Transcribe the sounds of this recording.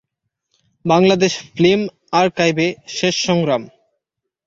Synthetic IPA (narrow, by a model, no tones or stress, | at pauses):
baŋlad̪eʃflim | aɾkajbeʃeʃːɔŋɡɾam